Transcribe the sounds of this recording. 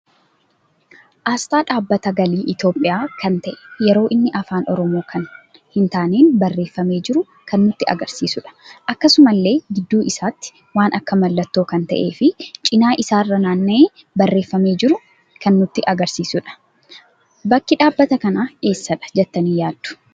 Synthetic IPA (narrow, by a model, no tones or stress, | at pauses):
ʔaːst̪aːᶑaːbːɐt̪ɐɡɐliːʔɪt̪jo̞ːpʼːɪjaːkʰɐnt̪ɐʔɛ̥jɛɾo̞ːʔɪnːɪʔɐfaːnʔɔɾɔmo̞ːkʰɐn | hɪnt̪aːneːnbɐrːe̞ːfːɐme̞ːd͡ʒɪɾʊ | kɐnːʊt̪ːɪɐ̰ɡɐɾsiːsʊᶑɐ̥ʔɐkːɐsʊmɐlːe̞ːɡɪd̪ːuːʔɪsaːt̪ːɪ̥ | waːnʔɐkːɐmɐlːɐt̪ːo̞ːkɐnt̪ɐ̰ʔe̞ːfɪt͡ʃʼɪnaːʔɪsaːrːɐnaːnːɐeː | bɐrːe̞ːfːɐme̞ːd͡ʒɪɾʊ | kʰɐnːʊt̪ːɪʔɐɡɐɾsiːsʊᶑɐ̥ | bɐkːɪᶑaːbːɐt̪ɐkɐnaːe̞ːsːɐᶑɐ̥d͡ʒɛt̪ːɐniːjaːd̪̥ːʊ̥